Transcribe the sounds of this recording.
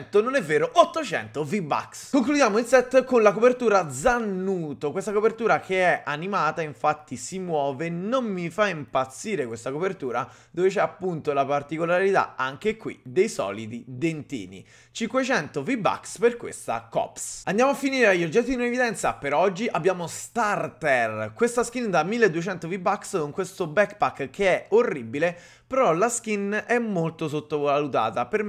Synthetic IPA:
nt̪ononɛvːeːɾoʔot̪ːot͡ʃɛ̰nt̪ovibːa̰kskoŋklud̪jaːmoinsɛt̪ːkonlakopert̪uːɾad̪zanːuːt̪okwest̪akopert̪uːɾakʰeɛʔanimaːt̪aiɱfat̪ːisimwɔːvenommifaimpat̪sːiːɾekwest̪akopert̪uːɾa | d̪ovet͡ʃɛapːunt̪olapart̪ikolaɾit̪a̰aŋk̟ekwḭd̪ejsɔ̰ːlid̪id̪ent̪ḭːnḭ | t͡ʃiŋkwet͡ʃɛnt̪oviba̰ksperkwḛst̪a̰kɔ̰psand̪jamoafːiniːɾeajːod͡ʒːɛt̪ːid̪inõevid̪ɛnt̪sa̰peɾɔd͡ʒːiʔabːjaːmost̪art̪ɛrkwest̪askind̪amːilːed̪ːuet͡ʃɛnt̪ovibakskoŋkwest̪obɛkpakːk̟ʰːeɛorːibile | peɾɔlask̟inɛmːolt̪os̬ot̪ːovalut̪a̰ːt̪aperm

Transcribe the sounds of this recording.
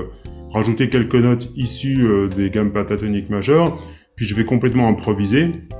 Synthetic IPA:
ʁaʒut̪ekʲɛlkənɔt̪isyød̪eɡampat̪at̪ɔnikmaʒœʁ | pɥiʒəvɛkɔ̃plɛt̪mɑ̃ɛ̃pχɔvize

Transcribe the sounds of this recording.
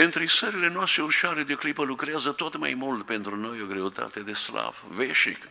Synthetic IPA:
ent̪ɾisəɾile̞noast̪ɾeuʃaɾed̪eoklipəlukɾeazət̪o̞t̪ma̰jmult̪pe̞nt̪ɾuno̞jo̞ɡɾe̞ut̪a̰t̪e̞d̪e̞sla̰vveʃḭk

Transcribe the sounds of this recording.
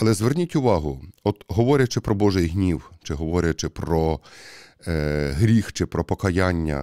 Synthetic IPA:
ɐlˠɛzʋernʲitʲʊʋɑɦʊɔt̪ɦɔʋɔɾʲɐt͡ʃɪpɾɔbɔʒɪjɦnʲiwt͡ʃɪɦɔʋɔɾʲjɐt͡ʃɪpɾɔ | ɦɾʲixt͡ʃɪpɾɔpɔkɐjanʲːɐ̰

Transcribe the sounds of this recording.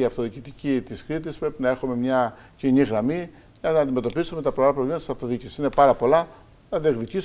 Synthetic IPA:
iɐft̪o̞ðicit̪icit̪iskɾit̪̬ispɾe̞pinɐe̞xume̞mɲɐciɲiɣɾɐmi | ʝɐnɐːnd̪ime̞t̪o̞pisume̞t̪ɐpɾoɣɾɐpɾolʲimɐt̪isɐft̪o̞ðicisine̞pɐɾɐpo̞lɐ | nɐðieɣðicis

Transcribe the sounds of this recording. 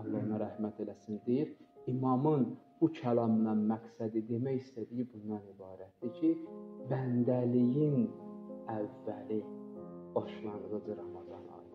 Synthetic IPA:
nlɑɾnɑɾæhmæt̪ʰe̞læsind̪ijiɾimɑmɯnb̥ucʰælɑmnɑnmæksæd̪id̪e̞mæjist̪æd̪ijibund̪ɑnibɑːɾæt̪̚d̪̥icʰibænd̪ælijin | ævːælib̥ɑʃlˠɑnɯɣɯd͡ʒɯɾɑmɑd̪ɑnɑ̰lˠ

